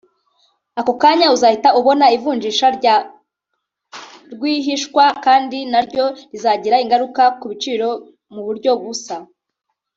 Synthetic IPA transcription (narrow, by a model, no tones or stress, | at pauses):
akokaːɲauzaːhitauβo̞naivuːnd͡ʒiːʃaɾɟa | ɾɡwiːɦiʃkwakaːndinaɾɟo̞ɾizaːɟiɾaiŋɡaɾukakuβit͡ʃiːɾo̞ | muβuɾɟo̞βusa